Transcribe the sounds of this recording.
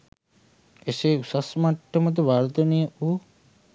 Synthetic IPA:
eseusasmaʈːəmət̪̬uʋaːɾt̪ənejəuː

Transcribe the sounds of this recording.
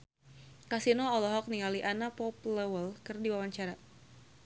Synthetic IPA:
kasinɔɔlɔɦɔk̚niŋaliʔanapɔp̚ləwəlkɨrdiwawaɲt͡ʃaɾa

